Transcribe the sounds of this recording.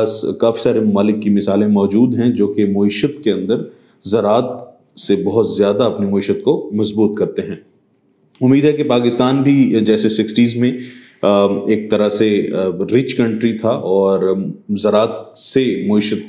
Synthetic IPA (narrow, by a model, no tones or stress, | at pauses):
skaːfi̥saːɾemʊmaːlɪkːimɪsaːlẽmɔːd͡ʒuːd̪ɦɛ̃d͡ʒoːkemoɪʃət̪keɐ̃nd̪əɾ | zɐɾaːt̪̚ | sebɐɦʊt̪zjaːd̪aɐpnimʊːɪʃət̪̚komɐzbuːt̪kɐɾt̪eɦɛ̃ː | ʊmːiːd̪ɦɛkepaːkɪst̪aːnbʱid͡ʒɛːsesɪksʈiːzmẽ | eːk̚t̪ɐɾaseɾɪt͡ʃkɐ̃ɳʈɾit̪ʰaʔɔːɾzɐɾaːt̪semoɪʃət̪̚